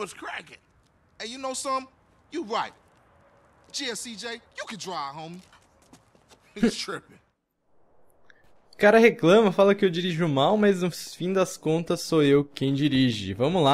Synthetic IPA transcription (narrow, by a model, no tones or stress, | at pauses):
wʌskʰɹ̥æɡɪt̚ | ɨ̃njɨnoʊsʌ̃m | jɨɹaɪt̚ | d͡ʒ̥iɛsid͡ʒeɪjɨkɨ̃dɹaɪhõʊ̃m | ɪstʰɹ̥ɪp | kaɾɐɦeklɐ̃mɐfalɐkɪewd͡ʒiɾiʒʊmawmɐznʊfĩd̪ɐskõnt̪ɐsːoewkẽj̃d͡ʒiɾiʒɪ̰vɐ̃mʊla